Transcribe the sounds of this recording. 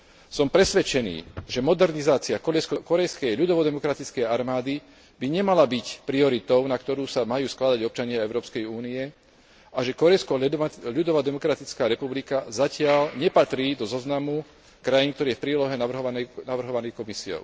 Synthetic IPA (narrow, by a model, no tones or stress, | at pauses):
sɔmpɾɛsʋɛt͡ʃɛnḭːʒɛmɔd̪ɛɾnizaːt͡siakɔɾɛjskɔkɔɾɛjskɛjʎud̪ɔʋɔd̪ɛmɔkɾat̪it͡skɛjaɾmaːd̪i | biɲɛmalabicpɾiɔɾit̪ɔʊnakt̪ɔɾuːsamajuːsklad̪aɟɔp̚t͡ʃaɲɪaɛʊɾɔːpskɛjuːniɛ | aʒɛkɔɾɛjskɔʎud̪ɔʋad̪ɛmɔkɾat̪it͡skaːɾɛpublikazacɪaʎɲɛpat̪ɾiːd̪ɔzɔznamu | kɾajinkt̪ɔɾiːjɛfpɾiːlɔɦɛnaʋrɦɔnɛnaʋr̩ɦɔʋanɛjkɔmisiɔ̰ʊ